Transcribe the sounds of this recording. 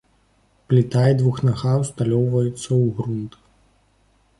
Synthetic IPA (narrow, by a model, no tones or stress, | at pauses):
plʲit̪aid̪vuxnaɣawst̪alʲɔwvɐjut̪sːɐwɣɾunt̪